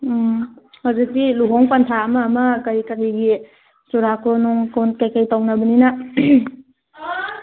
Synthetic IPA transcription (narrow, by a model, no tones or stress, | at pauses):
hawzik̚diluɦoŋpɐntʰaɐmɐːmɐkɐjikɐɾiɡi | suɾakʰonuŋkonkajkajtawnɐbənina